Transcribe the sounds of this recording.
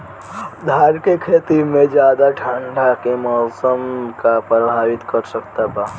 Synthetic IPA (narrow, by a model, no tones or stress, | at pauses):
d̪ʱaːɾkekʰeːt̪imẽd͡ʒjaːd̪aʈʰãɳɖʱakemɔːsəmkapɾəbʱaːʋɪt̪kəɾsəkt̪abaː